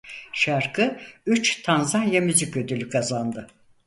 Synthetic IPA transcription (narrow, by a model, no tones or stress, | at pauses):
ʃaɾkʰɯyt͡ʃt̪ʰanzanjamyzicø̞d̪ylʲykʰazand̪ɯ